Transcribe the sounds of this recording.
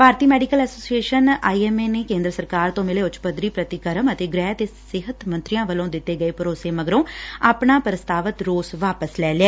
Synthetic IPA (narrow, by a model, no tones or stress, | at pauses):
paːɾt̪iːmɛːɖɪkəlɛːsoːsieːʃəna̰ːiːɛːmeːneːkẽːnd̪ɾəsəɾkaːɾt̪õːmɪleːʊt͡ʃpəd̪ɾiːpɾət̪ɪkəɾəmət̪eːɡɾɛːt̪eːssɪɦət̪mənt̪ɾɪjãːʋəlõːd̪ɪt̪ːeːɡəeːpəɾoːseːməɡɾõːaːpɳaːpɾəst̪aːʋət̪ɾoːsʋaːpəslɛːleɛː